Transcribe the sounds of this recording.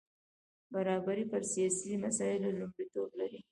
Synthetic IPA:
baɾɑbaɾipəɾsijɑsimasɑjɪlolumɽit̪oblaɾi

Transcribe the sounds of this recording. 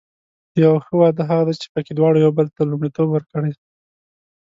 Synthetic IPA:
jawxəwɑd̪əɦaɣad̪at͡ʃe̥pəked̪wɑɽojawbəlt̪alumɽit̪obwəɾkəɽaj

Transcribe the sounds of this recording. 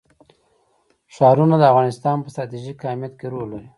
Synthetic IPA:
ʃɑɾunad̪əavɣɑnɪst̪ɑnpəst̪ɾɑt̪iʒikːɑmjat̪keɾolo

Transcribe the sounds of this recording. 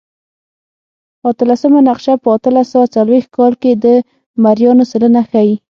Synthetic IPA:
at̪əlasəmanaqʃapəat̪əlasawat͡salwext̪̚kɑlked̪ə | maɾjɑnosələnaxaji

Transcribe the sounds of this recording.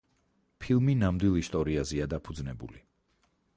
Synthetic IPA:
pʰilˠminamd̪wilˠist̪ʼɔɾiazɛad̪apʰud̪znɛbṵli

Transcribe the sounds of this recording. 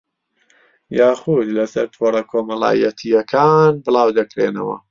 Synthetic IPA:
jaːχud̪lɐsɐɾt̪ʰorɐkʰoːmɐlˠa̰ːjɐt̪ʰijɐkʰaːnbɨlˠaːwd̪ɐkɾenɐwɐ̰

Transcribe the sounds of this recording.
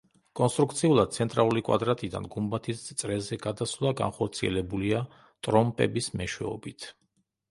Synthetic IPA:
kʼɔnst̪ʼɾuk̚t̪sʰiulˠad̪̚t̪sʰɛnt̪ʼɾalˠulikʼwa̰d̪ɾat̪ʼid̪a̰nɡumbat̪ʰist̪sʼɾɛzɛɡad̪asvlˠaɡa̰nχɔɾt̪sʰiɛ̰lɛbulia | t̪ʼɾɔmpʼɛ̰bismɛʃwɛ̰ɔbit̪ʰ

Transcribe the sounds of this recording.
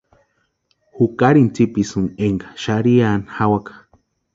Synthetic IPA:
hukaɾint͡sipisɨneŋɡḁʃaɾianhawakḁ

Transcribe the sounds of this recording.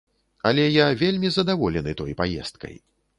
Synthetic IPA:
alʲɛjavʲelʲmʲizɐd̪avɔlʲɛnɨt̪ɔjpajɛ̰st̪kɐ̰j

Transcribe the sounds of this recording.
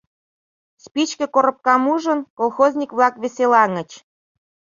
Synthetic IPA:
spit͡ɕkə̆koɾɤ̆p̚kɑmuʒə̆nkolˠxozʲnʲikβlɑkβeselɑŋə̆t͡ɕ

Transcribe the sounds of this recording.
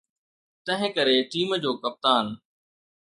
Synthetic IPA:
t̪ɐ̃ɦɪ̃kɐɾeʈiːmd͡ʑoːkɐp̚t̪aːn

